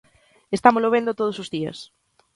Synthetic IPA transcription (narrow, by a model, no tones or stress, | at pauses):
est̪amosloβ̞end̪ot̪oð̞osozðiɐ̰s